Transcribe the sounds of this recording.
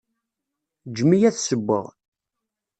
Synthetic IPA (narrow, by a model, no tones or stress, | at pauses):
d͡ʒmijæθsəbːə̰ʁ